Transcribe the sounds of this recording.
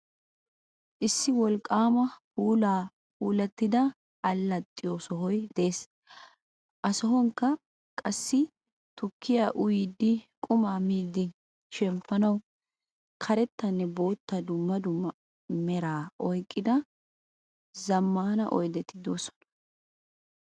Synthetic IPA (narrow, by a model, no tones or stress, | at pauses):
ʔɪsːɪwɔlkʼːaːmɐhuːlaː | huːlɛt̪ːɪd̪ɐ | ɐlːɐt̪ʼːɪjoːsɔɦɔjd̪e̞ːs | ʔɐsɔɦɔŋkːɐ | kʼɐsːɪ | t̪ʊkʰːɪjaːʔʊjid̪ːɪkʼʊmaːmiːd̪ɪ | ʃɛmpːɐnɐw | kʰɐɾɛt̪ːɐnːɛbo̞ːt̪ːɐd̪ʊmːɐd̪ʊmːɐ | mɛɾaːʔɔjkʼːɪd̪ɐ | zɐmːaːnɐ̰ʔɔjd̪ɛt̪ːɪd̪oːsɔ̥nɐ̥